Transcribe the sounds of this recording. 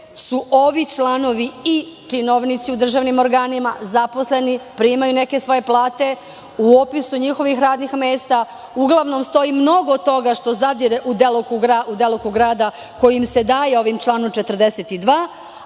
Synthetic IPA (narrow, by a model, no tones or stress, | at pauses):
suʔo̞ʋit͡ʃlaːno̞ʋiit͡ʃino̞ʋnit̪siud̪r̩ʒaːʋnimo̞ɾɡaːnimazapo̞sle̞nipɾiːmajune̞ke̞sʋo̞je̞plˠaːt̪e̞ | uopisuɲixo̞ʋixɾaːd̪nixmeːst̪a | uɡlˠaʋno̞mst̪o̞imno̞ɡot̪o̞ɡaʃt̪o̞zad̪iɾeʔud̪elokuɡɾaud̪elokuɡɾaːd̪a | ko̞jimse̞d̪aːjeo̞ʋimt͡ʃlˠaːnomt͡ʃet̪rd̪eset̪id̪ʋaː